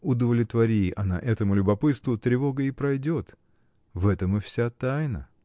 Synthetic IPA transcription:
ʊd̪əvlʲɪt̪vɐɾʲiɪʔɐna̰ʔɛt̪əmʊlʲʊbɐpɨt̪st̪vʊt̪ɾʲɪvo̞ɡəɪpɾɐjdʲo̞t̪ | vɛt̪əmɨfsʲat̪ajnə̰

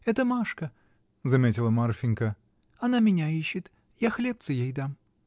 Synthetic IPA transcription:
ɛt̪əmaʂkə | zɐmʲetʲɪlˠəmarfʲɪnʲkə | ɐnamʲɪnʲaiɕːɪt̪ | jaxlʲep̚t̪sɨjejd̪am

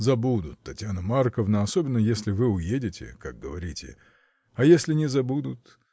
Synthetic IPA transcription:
zɐbud̪ʊt̪ːɐtʲjanəmarkəvnəɐsobʲɪnːəjesʲlʲɪvɨʊjedʲɪtʲɪ̰kak̚ɡəvɐɾʲitʲɪ̰ | ɐjesʲlʲɪnʲɪzɐbud̪ʊt̪

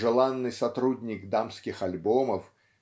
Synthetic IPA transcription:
ʐɨlˠanːɨjsɐt̪ɾud̪ʲnʲiɡd̪amsʲkʲixalʲbɔmɐf

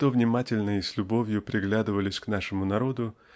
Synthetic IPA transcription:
t̪ovnʲɪmatʲɪlʲnəɪsʲlʲʊbo̞vʲjʊpɾʲɪɡlʲad̪ɨvəlʲɪsʲknaʂɨmʊnɐɾo̞d̪ʊ

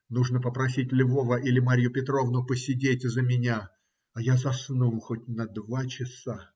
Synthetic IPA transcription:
nuʐnəpəpɾɐsʲitʲlʲvo̞vəʔilʲɪmaɾʲjʊpʲɪt̪ɾo̞vnʊpəsʲɪdʲetʲzəmʲɪnʲa | ajazɐsnulˠxotʲnəd̪vat͡ɕɪsa

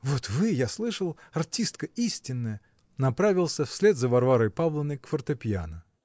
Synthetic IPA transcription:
vot̪vɨjaslˠɨʂəlˠɐrtʲist̪kəisʲtʲɪnːəjə | nɐpɾavʲɪlˠsʲəfsʲlʲed̪zəvɐrvaɾəjpavlˠənːəjkfərt̪əpʲɪa̰nə

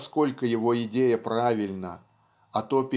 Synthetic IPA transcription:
sko̞lʲkəjɪvo̞ɪdʲejəpɾavʲɪlʲnə̰ | ɐt̪o̞pʲɪ

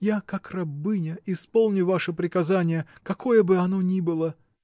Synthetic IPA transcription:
jakakrɐbɨnʲəɪspo̞lˠnʲʊvaʂɨpɾʲɪkɐzanʲɪjəkɐkʰo̞jəbɨɐno̞nʲibɨlˠə

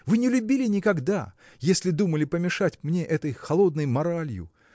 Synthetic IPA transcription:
vɨnʲɪlʲʊbʲilʲɪnʲɪkɐɡd̪a | jesʲlʲɪd̪uməlʲɪpəmʲɪʂatʲmnʲeʔɛt̪əjxɐlˠo̞d̪nəjmɐɾalʲjʊ̰

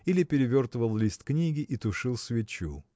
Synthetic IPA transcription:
ilʲɪpʲɪɾʲɪvʲo̞rt̪vəlˠlʲisʲt̪knʲiɡʲɪʔit̪ʊʂɨlˠsʲvʲɪt͡ɕṵ

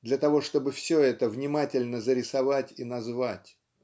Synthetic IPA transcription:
d̪lʲɐt̪ɐvo̞ʂt̪o̞bɨfsʲoɛt̪əvnʲɪmatʲɪlʲnəzəɾʲɪsɐvatʲinɐzvatʲ

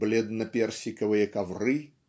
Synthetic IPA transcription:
blʲed̪nɐpʲersʲɪkəvɨjəkɐvrɨ

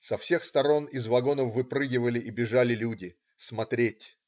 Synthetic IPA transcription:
sɐfsʲe̞xst̪ɐɾo̞nɪzvɐɡo̞nəfːɨpɾɨɡʲɪvəlʲɪʔibʲɪʐalʲɪlʲudʲɪ | smɐt̪ɾʲetʲ

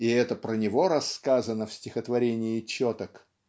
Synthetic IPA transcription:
ɪɛt̪əpɾənʲɪvo̞ɾɐskazənəfsʲtʲɪxət̪vɐɾʲenʲɪɪt͡ɕːot̪ək

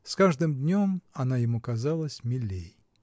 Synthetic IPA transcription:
skaʐd̪ɨmd̪ʲnʲo̞mɐnajɪmukazalˠəsʲmʲɪlʲːej

